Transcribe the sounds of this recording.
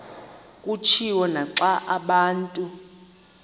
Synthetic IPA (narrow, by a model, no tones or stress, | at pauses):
kʼut͡ʃʰiwɔnaǁaʔaɓaːntʼu